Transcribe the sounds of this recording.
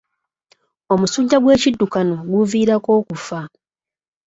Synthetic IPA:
o̞musuːɲɟaɡwe̞ːcidːukanoɡuviːɾako̞ːkufa

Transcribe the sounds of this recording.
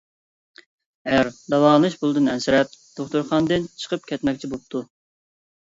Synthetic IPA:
ɛæɾd̪ɑwɑːnɨʃbulˠɨd̪ɨnɛnsɪɾɛp̚d̪̥oχt̪uɾχɑnd̪ɨnt͡ʃʰə̥qʰəp̚kʲʰɛt̪mɛkʲt͡ʃʰibop̚t̪ʰu

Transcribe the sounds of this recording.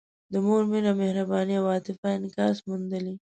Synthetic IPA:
d̪əmoɾmiɾamɪhɾabɑniawɑt̪ɪfaɪnkɑsmund̪əli

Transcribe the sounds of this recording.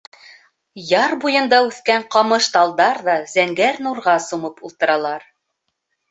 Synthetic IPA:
jɑɾbujɤ̆nd̪ɑʉθkæɴqɑmɤʃt̪ɑlˠd̪ɑɾðɑz̥æŋɡæɾnuɾʁɑsumɤpulˠt̪ɤ̆ɾɑlˠɑɾ

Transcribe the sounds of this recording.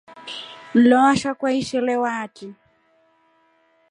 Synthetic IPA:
n̩lɔaʃakwaiʃɛlɛwati

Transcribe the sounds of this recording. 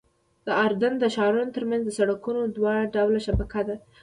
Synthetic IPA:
d̪̥əɑɾd̪and̪əʃɑɾunot̪əɾmanzd̪əsaɽakunod̪wɑɽaɖawlaʃabakad̪a

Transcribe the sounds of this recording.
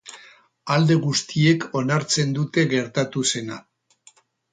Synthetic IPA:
ald̪e̞ɣust̪ie̞ko̞naɾt͡se̞nd̪ut̪e̞ɣe̞ɾt̪at̪use̞na

